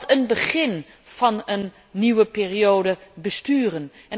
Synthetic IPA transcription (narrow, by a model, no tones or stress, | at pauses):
tʰənbəχɪn | v̥ɑnənː | iwəpɪːriowdəbəstyːrənʔɛn